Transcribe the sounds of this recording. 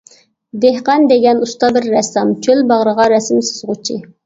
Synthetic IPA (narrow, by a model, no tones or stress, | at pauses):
d̪ehqɑnd̪eɡʲɛnust̪ɑbɪɾːɛsɑmt͡ʃʰølbɑʁɾəʁɑɾɛsɪmsɨ̥z̥ʁʊt͡ʃʰi